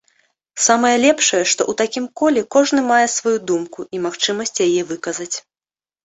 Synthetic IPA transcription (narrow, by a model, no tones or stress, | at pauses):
samɐjɛlʲɛpʂɐjɛʂt̪ɔ̰ʔut̪akʲimkɔlʲɛkɔʐn̪ɨmajɛsvajud̪umkuʔimaxt͡ʂɨmɐsʲt͡sʲjajɛvɨkɐzɐt͡sʲ